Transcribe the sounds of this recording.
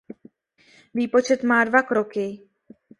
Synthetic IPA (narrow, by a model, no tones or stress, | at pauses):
viːpo̞t͡ʃɛt̪maːdvakɾokɪ